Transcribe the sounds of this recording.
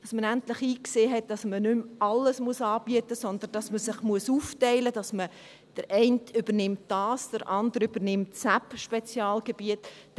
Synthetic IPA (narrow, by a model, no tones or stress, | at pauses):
d̥ɑsmənæntlɪχiːkseːɦɛt̚d̥ɑsmənʏmɑlːəsmuəsɑːb̥iətəsɔnd̪ənd̥ɑsməsɪχmuəsuːftɛɪləd̥ɑsmə | d̥əɾʔɛɪntʏb̥əɾnɪmt̚d̥ɑːsd̥əɾʔɑndəɾyb̥ənɪmtsæpʃpɛt͡sjɑːlɡ̥eb̥iət